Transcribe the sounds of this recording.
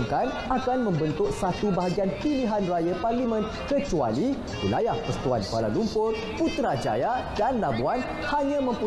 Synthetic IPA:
ŋkan | akanmə̃mbənt̪ʊk̚sat̪ubaɦaɡianpiliɦanrajaparlimə̃n | kət͡ʃua̰li | wḭlajahpəst̪ua̰nkala̰lumpʊr | put̪ɾad͡ʒa̰jaʔdanlabuan | haɲãmə̃mpu

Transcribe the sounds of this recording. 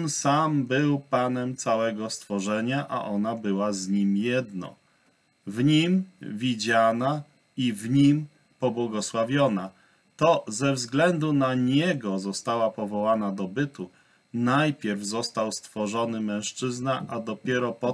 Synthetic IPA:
nsambɘwpanɛmt̪sawɛɡɔst̪fɔʐɛɲaʔa̰ʔɔnabɘwazɲimjɛd̪nɔ̰ | vɲimvʲid͡ʑana | ivɲim | pɔbwɔɡɔswavʲjɔna | t̪ɔzɛvzɡlɛnd̪unaɲɛɡɔzɔst̪awapɔvɔwanad̪ɔbɘt̪u | najpʲjɛɾvzɔst̪awst̪fɔʐɔnɘmɛ̃w̃ʂt͡ʂɘznaʔad̪ɔpʲjɛɾɔpɔ

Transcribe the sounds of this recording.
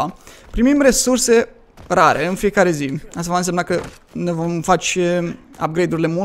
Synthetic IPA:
pɾimimre̞surse̞ | raɾe̞ɨnfije̞kaɾe̞zias̬t̪avaɨnsemnakə | nevomfat͡ʃ | a̰p̚ɡɾejd̪uɾile̞mu

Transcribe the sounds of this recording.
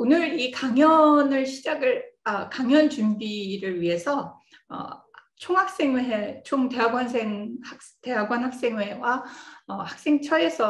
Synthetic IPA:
onɯɾikaŋjʌnɯɭɕʰid͡ʑaɡɯɭʌkaŋjʌnt͡ɕumbiɾɯɭɥiɦe̞sʰʌ | ʌ̰ | t͡ɕʰoŋɦak̚s͈e̞ŋweɦet͡ɕʰoŋte̞ɦaɡwans̬ʰeŋhak | te̞ɦaɡwanɦak̚s͈e̞ŋwe̞waʌhak̚s͈e̞ŋt͡ɕʰʌɾe̞sʰʌ

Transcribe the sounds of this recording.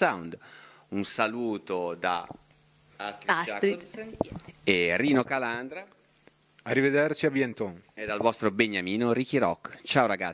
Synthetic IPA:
awnd̪ | unsaluːt̪od̪a̰ | asɾat̪ɾi | eriːnokaland̪ɾa | arived̪ert͡ʃiabjɛnt̪ɔŋed̪alvɔst̪ɾobeɲːamiːnoɾik̟iɾɔ̰kːt͡ʃawɾaɡa

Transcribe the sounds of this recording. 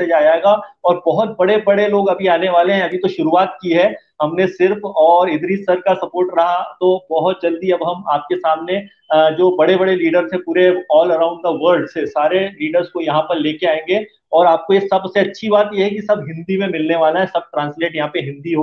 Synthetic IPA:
ed͡ʒaːjaeːɡaɔːɾbɔɦʊt̪̚bɐɽebɐɽeloːɡɐbʱiaːneʋaːleɦɛ̃ɐbʱit̪oʃʊɾuaːt̪̚kiɦɛ | ɦɐmnesɪɾfɔːɾɪd̪ɾiːsɐɾkasɐpoːɾʈɾɐɦat̪obɔɦʊt̪̚d͡ʒɐld̪iɐbɦɐmaːp̚kesaːmne | d͡ʒoːbɐɽebɐɽeliːɖəɾzɦɛ̃puːɾeɔːlɐɾãːʊ̃ɳɖd̪əʋəɾɖsesaːɾeliːɖəɾzkojɐɦãpɐɾleːkeaːẽːŋɡe | ɔːɾaːp̚koesɐbseɐtːʃʰibaːt̪jeɦɛk̬isɐbɦɪ̃nd̪imẽmɪlneʋaːlaɦɛsɐb̚ʈɾãːnsleːʈjɐɦãpeɦɪ̃nd̪iɦo

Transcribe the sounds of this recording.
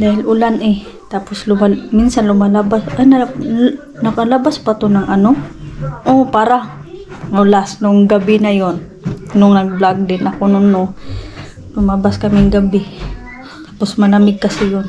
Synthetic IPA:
d̪aːhɪlʔʊlanʔɪ | t̪aːposlʊmaminsanlʊmalabasanɐ | nɐkɐlɐbaspat̪onɐŋʔɐnoʔopaːɾa | ŋɐlasnʊŋɡɐbɪnɐjon | nʊŋnɐɡ̚blaɡ̚d̪ɪnʔɐkonʊnːo | lʊmabaskɐmɪŋɡɐbɪ | t̪aːposmɐlamɪɡ̚kɐsɪjon

